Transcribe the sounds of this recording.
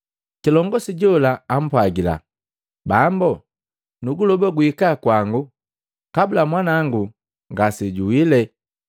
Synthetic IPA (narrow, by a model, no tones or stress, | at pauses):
kilɔŋɡɔsiɟɔlaam̩pwaɡila̰ | bambɔ | nuɡulɔbaɡuikakwaŋɡu | kabulamwanaŋɡu | ŋɡasiɟuwilɛ